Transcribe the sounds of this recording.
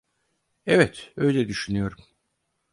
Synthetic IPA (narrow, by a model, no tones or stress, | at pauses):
ɛvɛt̪ø̞jlʲɛd̪yʃynyjo̞ɾum